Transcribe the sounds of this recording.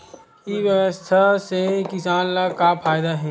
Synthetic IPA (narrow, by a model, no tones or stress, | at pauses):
kiʋjɐʋəst̪ʰasekɪsaːnlakapʰaːjd̪aɦɛː